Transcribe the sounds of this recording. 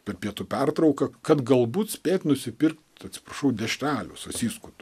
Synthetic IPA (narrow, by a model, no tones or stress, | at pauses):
pʲɛrpʲiɛt̪upʲært̪ɾɐʊkɐkɐt̪ɡɐlˠbuːt̪sʲpʲeːt̪ʲnʊsʲɪpʲɪrkt̪ɐt̪ʲsʲɪ̥prɐʃɐʊd̪ʲɛʃʲt̪ʲæːlʲʊsɐsʲiːskʊt̪ʊ